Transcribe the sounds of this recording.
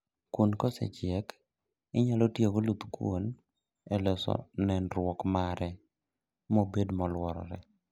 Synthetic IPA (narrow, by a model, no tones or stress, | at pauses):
kunkɔsɛ̰t͡ʃjɛk | ɪɲalɔtjeɡolut̪kwo̰n | ɛlɔsɔ̰nɛnɾwɔkmaɾɛ | mobedmɔlwɔɾɔ̰ɾɛ̰